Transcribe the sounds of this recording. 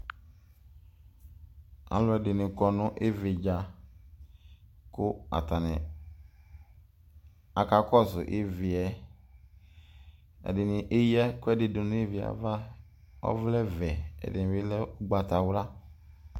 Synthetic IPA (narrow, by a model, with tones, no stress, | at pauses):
a̰˨lɔ˦ɛ˨dɪ˨nɪ˨kɔ˨nʊ˦ʔe˦vɪ˨d͡ʒa˨ | kʊ˦a̰˨ta˨nɪ˨ | a˨ka˨kɔ˦˨sʊ˨ʔɪ˦vɪ˨ɛ˨ | ɛ̰˨dɪ˨nɪ˨ʔɪ˦jɛ˦kʊ˦ɛ˦dɪ˨dʊ˨n˦e˦vɪ˨a̰˨va˦ | ɔ̰˦vlɛ˦vɛ˨ɛ̰˨dɪ˨nɪ̃˨vɪ˦lɛ˦ʊ˦ɡ͡ba˨ta˨wɾa˦